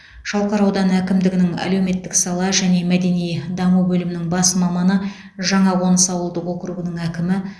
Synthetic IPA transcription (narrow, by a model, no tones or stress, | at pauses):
ʒ̥ɑlˠqɑɾɑwd̪ɑnækʲɪmd̪ɪɡʲɪnɪŋæ̰lewme̞t̪ːɪksɑlˠɑʒæne̞mæd̪e̞nijd̪ɑmubɵlɪmɪnɪŋbɑsəmɑmɑnə | ʒɑɴɑwo̞nəsɑwəlˠd̪əqo̞kɾuɡənəŋækʲɪmɪ